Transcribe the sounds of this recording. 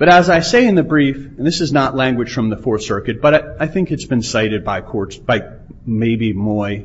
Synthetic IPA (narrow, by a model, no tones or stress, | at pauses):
b̥ʌɾəzaɪseɪɨ̃nðɨbɹifn̩ðɪsɨznəʔˡlæ̃ŋɡwɨd̥ʒ̥fɹʌ̃mðəfɔɹsɜ˞kɨt̚b̥ʌɾaɪaɪθɪ̃ŋkɨtsb̥ɨ̃nsaɪɾɨd̚baɪkʰɔɹtsb̥aɪ | meɪbimɔɪ